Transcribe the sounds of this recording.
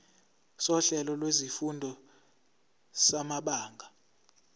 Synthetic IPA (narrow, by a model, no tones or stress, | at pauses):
sɔɬɛlɔlwezifundʱɔ | samaɓaːŋɡʱa